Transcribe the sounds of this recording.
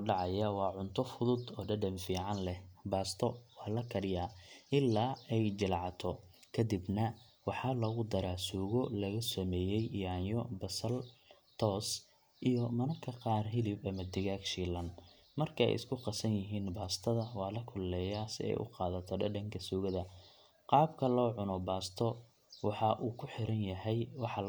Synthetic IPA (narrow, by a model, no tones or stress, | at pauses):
ɖɑʕɑjɐwɑːʕʊnt̪ʰɔfʊðʊd̪ɔːɖɐɖɐmfiːʕɑnlɛbaːst̪ʰɔwɑːlɐkʰɐɾɪjaːʔɪlːaːɛjd͡ʒɪlʕɑt̪ʰɔkʰɐd̪ibnɐ | wɑħɑːlɐɣʊd̪ɐɾaːsuːɣɔlɐɣɐsɔmɛːjɛjijaːnjɔbɐsɐlt̪ʰɔːs | ʔijɔmɐnɐkʰɐqɑːrɦɪlɪbɐmɐd̪ɪɣaːkʃiːlɐn | mɐrkʰɐɛ̰jɪ̰skʰʊqɑsɐnjɪɦiːnbaːst̪ʰɐðɐwɑːlɐkʰʊlːɛːjaːsɪɛ̰jʔʊ̰qɑːðɐt̪ʰɔɖɐ̰ɖɐŋkʰɐsuːɣɐðɐ | qɑːbkʰɐlɔːʕʊnɔbaːst̪ʰɔ | wɑħɑʔuːkʰʊħɪɾɐnjɐɦɛjwɑħɑ